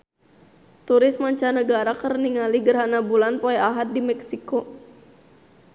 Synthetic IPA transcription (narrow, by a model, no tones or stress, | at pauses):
t̪uɾɪsmaɲt͡ʃanəɡaɾakərniŋaliɡərɦanabulanpoɛaɦat̪̚dimɛksiko